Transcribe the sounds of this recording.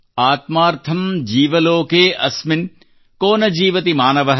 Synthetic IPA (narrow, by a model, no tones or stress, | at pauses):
aːt̪maːɾt̪ʰɐmd͡ʒiːʋɐloːkeːʔɐsmɪn | koːnɐd͡ʒiːʋɐt̪imaːnɐʋɐɦ